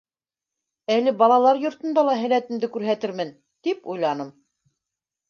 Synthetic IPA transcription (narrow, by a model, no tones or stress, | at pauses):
ælɘbɑlˠɑlˠɑɾjŏɾt̪ɤ̆nd̪ɑlˠɑɦæ̆læt̪ɘ̆md̪ɘkʉɾɦæt̪ɘɾmɘn | t̪ipujlˠɑnɤm